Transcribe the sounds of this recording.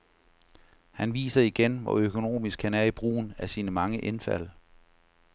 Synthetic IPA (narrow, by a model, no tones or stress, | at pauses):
hænʋḭːsɐiɡ̥enʋɒ̰økʰo̝no̝̰ːmisɡ̥hænæɐib̥ʁṵːn̩æɐsinəmɑ̈ŋəʔe̝nfæ̰l̰